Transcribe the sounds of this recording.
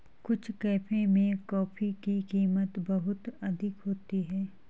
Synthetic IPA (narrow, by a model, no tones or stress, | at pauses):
kʊt͡ʃʰkɛːpʰẽmẽkɔːfikikiːmət̪bɐɦʊt̪ɐd̪ʱɪkɦoːt̪iɦɛː